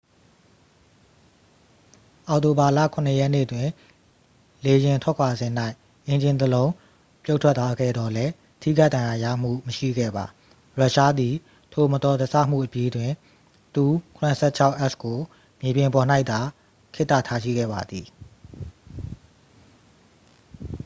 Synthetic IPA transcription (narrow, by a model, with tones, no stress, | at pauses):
ʔɔ˨ʊʔto˨ba˨lä̰˦˨kʰʊ̃˨nəjɛ˦ʔnḛ˦˨ətwɪ̃˨ | le˨jɪ̃˨ntʰwɛ˦kʰwa˨zɪ̃˨n̥a˦ɪ | ʔẽ˨ɲd͡ʑɪ̃˨nt̪əlõ˦ʊ̃ | pjo˦ʊtʰwɛ˦t̪ːwa˦ɡɛ̰˦˨d̪ɔ˨lɛ˦ | tʰḭ˦˨ɡa˦ʔdã˨ja˨ja̰˦˨m̥ṵ˦˨məʃḭ˦˨ɡɛ̰˦˨ba˨ | ɹa˦ʔʃa˦d̪i˨ | tʰo˨mə˨t̪ɔ˨də˨sʰa˦˨m̥ṵ˦˨ʔəpji˦dwɪ̃˨ | t̪u˨kʰʊ̃˨nə˨sʰɛ˦˨t͡ɕʰa˦ʊʔɛ˦ʔsko˨ | mje˨bjɪ̃˨mpɔ˨n̥a˦ɪʔt̪a˨ | kʰɪ˦ʔt̪a̰˦˨tʰa˦˨ʃḭ˦˨ɡɛ̰˦˨ba̰˨d̪ði˨